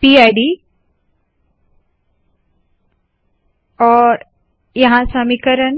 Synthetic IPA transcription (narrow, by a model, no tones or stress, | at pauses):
piajɖi | ɔːɾ | jɐɦãsãmĩkəɾən